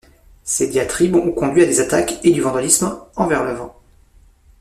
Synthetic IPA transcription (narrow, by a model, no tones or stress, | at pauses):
sed̪jat̪χibɔ̃kɔ̃d̪ɥiad̪ezat̪aked̪yvɑ̃d̪alismɑ̃vɛʁlœvʁ